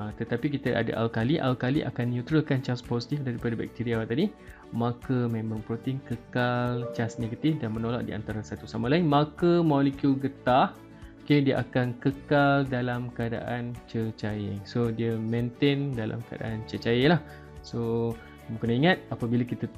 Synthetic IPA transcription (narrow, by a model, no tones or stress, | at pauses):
at̪ət̪apikit̪əʔa̰da̰ʔa̰lkaliʔa̰lkaliʔa̰kanːjut̪ɾəlkant͡ʃasposit̪ifdaɾipadabɛ̰k̚t̪iɾiawt̪adi | makəmɛ̃məŋpɾot̪iŋkəkalt͡ʃasneɡət̪ifdanmənola̰ʔ̚dḭa̰nt̪aɾasat̪usamalaɪnmakəmolikjulɡət̪ah | kediəʔakankəkaldalamkəada̰ʔant͡ʃət͡ʃajɪŋsodiəmẽnt̪endalʔa̰mkəa̰da̰ʔant͡ʃət͡ʃajelah | so | bukənaiŋat̪̚apabilakit̪ə